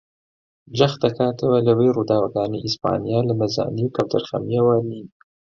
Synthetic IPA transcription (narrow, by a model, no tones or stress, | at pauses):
d͡ʒaxt̪akɑːt̪əwalaweɾud̪ɑːwaɡɑːneʔispɑ̰ːnijɑlamazɑ̰ːniwkawd̪aɾxa̰mijawani